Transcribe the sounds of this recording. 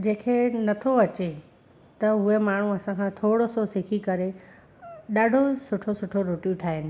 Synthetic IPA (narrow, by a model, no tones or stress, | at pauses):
d͡ʑẽːkʰenɐt̪ʰoɐt͡ɕe | t̪ɐɦʊemaːɳ̤uɐsãkʰãt̪ʰoːɽososɪkʰikɐɾe | ɗaːɖʱosʊʈʰosʊʈʰoɾʊʈjũʈʰaːɦɪnɪ̆